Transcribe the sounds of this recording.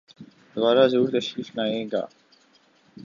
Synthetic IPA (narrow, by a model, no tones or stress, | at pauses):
d̪̥ʊbaːɾaːzuːɾt̪ɐʃɾiːfnaːẽːɡa̰ː